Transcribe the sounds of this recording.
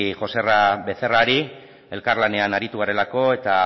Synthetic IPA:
xo̞se̞rabe̞θe̞raɾi | e̞lkarlane̞anaɾit̪uɣaɾe̞lako̞e̞t̪a

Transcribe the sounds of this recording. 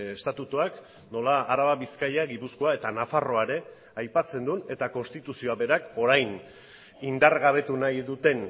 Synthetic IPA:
est̪at̪ut̪uak | no̞laːɾaβaβiskajaɡipusko̞ae̞t̪anafaro̞aɾe̞ | ajpat͡se̞nd̪une̞t̪ako̞nst̪it̪usio̞aβe̞ɾako̞ɾajn | ind̪arɣaβ̞e̞t̪unajðut̪e̞n

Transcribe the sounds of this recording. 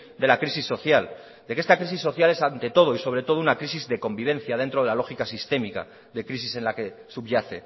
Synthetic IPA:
d̪e̞lakɾisisːo̞θjal | d̪ekee̞st̪akɾis̬isːo̞θjale̞sant̪e̞t̪o̞ð̞o̞iso̞β̞ɾe̞t̪o̞ð̞ounakɾisizðe̞ko̞mbiβ̞ẽ̞n̟θjað̞e̞nt̪ɾo̞ðelalo̞xikasist̪e̞mika̰ | ðe̞kɾisise̞nlake̞supʎaθe̞

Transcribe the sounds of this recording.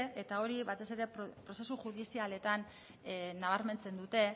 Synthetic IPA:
et̪ao̞ɾiβat̪e̞se̞ɾe̞ppɾo̞se̞suʝuðisiale̞t̪an | naβ̞aɾme̞nt͡se̞nd̪ut̪e̞

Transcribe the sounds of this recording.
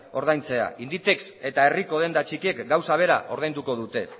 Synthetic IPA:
o̞ɾð̞ajnt͡se̞a̰ind̪it̪e̞kse̞t̪ae̞riko̞ð̞e̞nd̪at͡ʃikiekɡawsaβ̞e̞ɾa̰ʔo̞ɾðajnd̪uko̞ð̞ut̪e̞

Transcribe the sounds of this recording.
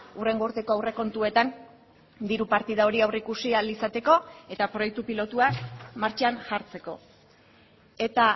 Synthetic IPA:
ure̞ŋɡoɾt̪e̞ko̞awre̞ko̞nt̪ue̞t̪an | d̪iɾupaɾt̪iðao̞ɾiawreikusialisat̪e̞ko̞e̞t̪apɾo̞jek̚t̪upilo̞t̪uamaɾt͡ʃanʝaɾt͡se̞ko̞̰ | e̞t̪a

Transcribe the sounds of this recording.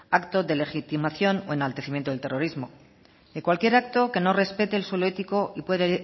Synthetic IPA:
akt̪o̞ðe̞le̞xit̪imaθjo̞noe̞nalt̪e̞θimje̞nt̪oelt̪e̞ro̞ɾizmo̞ | ðe̞kwalkje̞ɾak̚t̪o̞ke̞no̞re̞spe̞t̪e̞ːlswe̞lo̞e̞t̪iko̞ipwe̞ðe

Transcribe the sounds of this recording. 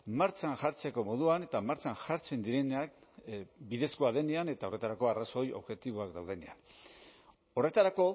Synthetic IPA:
maɾt͡ʃanʝaɾt͡se̞ko̞mo̞ð̞uane̞t̪amaɾt͡sanʝaɾt͡se̞nd̪iɾe̞nak̚ | biðe̞skoaðe̞neane̞t̪ao̞re̞t̪aɾako̞araso̞jo̞̰βʝet̪iβoakd̪awð̞e̞nḛa̰n | o̞re̞t̪aɾako̞

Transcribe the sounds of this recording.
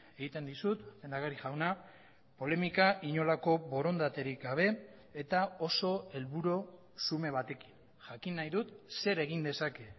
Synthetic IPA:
e̞ɣit̪e̞nd̪isut̪be̞nd̪aɣaɾiʝawna | po̞le̞mikaʔiɲo̞lako̞βo̞ɾo̞nd̪at̪e̞ɾikɡaβ̞e̞ː | t̪ao̞so̞e̞lβuɾo | sume̞β̞at̪e̞ki̥n | ʝakinːajðut̪se̞ɾe̞ɣ̞ind̪e̞sake̞

